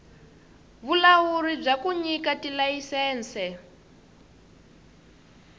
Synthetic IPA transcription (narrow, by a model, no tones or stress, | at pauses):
βulawuɾib͡ʐakuɲikatilajisɛːnt͡sɛ